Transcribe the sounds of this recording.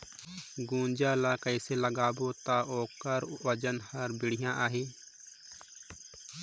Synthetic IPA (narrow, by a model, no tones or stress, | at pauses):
ɡũːnd͡ʒaːlakəɪseləɡaːbot̪aʔoːkəɾʋəd͡ʒənhɐɾbɪɽ̤ɪjãʔaːɦeː